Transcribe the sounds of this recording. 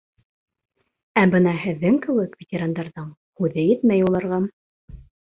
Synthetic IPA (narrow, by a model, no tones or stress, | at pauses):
æbɤnɑɦɘ̆ðːɘŋkɘ̆wɘkvʲetʲeɾand̪ɑɾðɤɴhʉðɘjɘ̆t̪mæjulˠɑɾʁɑm